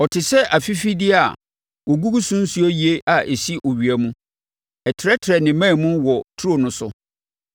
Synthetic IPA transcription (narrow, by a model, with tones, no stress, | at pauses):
ɔ˨tʰɪ˨sɛ˦ʔa˨fi˦fi˦dɪ˦a˨ | wo˨ɡu˦ɡu˦sũ˦n̩˦su˦ɔ˦ji˨e˦ʔa˨ʔe˨si˦ʔɔ˨ɥi˨æ˨mũ˦ | ɛ˨tʰɪ˨ɾɛ˦tʰɾɛ˨nɪ̃˨mã˦˨mũ˦wɔ˨tʰu˦o˨nʊ̃˦sʊ˦